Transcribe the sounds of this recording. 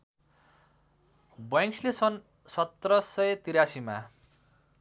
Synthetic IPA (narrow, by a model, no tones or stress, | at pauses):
bʌʌ̃ŋkslesʌn | sʌt̪ːrʌsʌet̪iɾasima̰